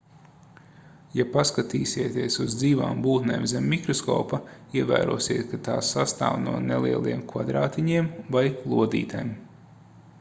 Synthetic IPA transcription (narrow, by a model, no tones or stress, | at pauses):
japaskat̪iːsʲiɛt̪iɛsuzd̪ziːva̰ːmbuːt̪neːmzemʲːikɾɔskɔ̰ːpaiɛvæ̰ːɾṵɔsiɛt̪kat̪aːsast̪a̰ːvnuɔnelˠiɛlˠiɛmkvad̪ɾaːt̪iɲiɛmvajlˠuɔd̪ḭːt̪ajm